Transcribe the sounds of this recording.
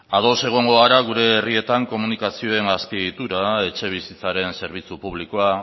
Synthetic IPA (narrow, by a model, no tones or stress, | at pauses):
aðo̞se̞ɣ̞o̞ŋɡo̞aɾaɣ̞uɾe̞ːrie̞t̪aŋko̞munikasio̞e̞ŋɡaspiit̪uɾae̞t͡ʃe̞β̞isit͡saɾe̞nse̞ɾβ̞it͡supuβliko̞a